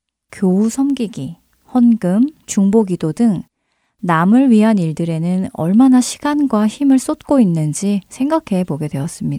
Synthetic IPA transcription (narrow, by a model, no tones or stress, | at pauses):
kjousʰʌmɡiɡi | hʌnɡɯmt͡ɕuŋboɡidodɯŋ | namɯɭɥiɦaniɭdɯɾe̞nɯnʌɭmanaɕʰi̥ɡ̥anɡwaçimɯɭs͈ot̚k͈oinːɯnd͡ʑisʰe̞ŋɡakʰe̞boɡe̞dwe̞ʌs͈ɯmɲida